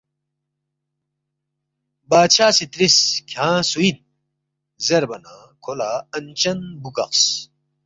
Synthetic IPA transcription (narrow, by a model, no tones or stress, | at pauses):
baːt͡ɕʰaːsit̪ɾiskʰãːsuin | zeɾbɐna | kʰolaɐnt͡ɕɐnbukɐ̰qs